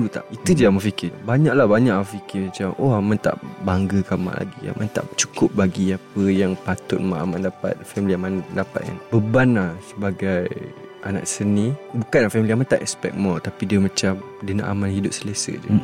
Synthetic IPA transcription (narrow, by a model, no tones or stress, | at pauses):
ut̪a̰ʔʔit̪ud͡ʒuamafikɪbaɲaʔlahbaɲaʔfikɪmãt͡ʃamʔohamant̪a̰ʔbaŋɡəkama̰ʔla̰ɡia̰mant̪a̰ʔt͡ʃu̥kʊp̚baɡiapəjaŋpat̪ʊt̪̚maʔa̰mandapa̰t̪̚fɛmiliamandapa̰t̪̚ja̰ŋbəbanlahsəbaɡaj | ʔana̰ʔsənibukanlahfɛmiliamant̪aʔɛkspɛ̰k̚mɔlt̪apidiəmãt͡ʃam | diəna̰ʔa̰manhɦidʊp̚sələsə̰d͡ʒṵ